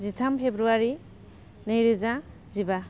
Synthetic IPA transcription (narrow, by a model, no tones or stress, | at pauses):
zitʰampʰebɾuaɾi | nɯjɾɯza | ziba